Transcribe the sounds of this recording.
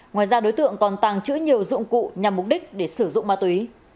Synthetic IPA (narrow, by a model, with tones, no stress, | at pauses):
ŋwaː˨˩jzaː˧ɗo˨˦jt̪ɨ̰˧˨əŋkɔ˨˩nt̪a˨˩ŋt͡ɕɨ̰˧˥ɲi˨˩əwzʊ̰˧˨ŋ͡mkṵ˧˨ɲa˨˩mːʊ˨˩k͡p̚ɗi˦˥k̟̚ɗe˧˩sɨ˧˩zʊ̰˧˨ŋ͡mmaː˧t̪wi˨˦